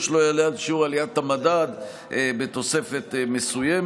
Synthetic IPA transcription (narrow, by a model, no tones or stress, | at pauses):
ʃlo̞jalealʃiuʁalijat̪hamadad̪ | ʔebe̞t̪o̞se̞fe̞t̪me̞suje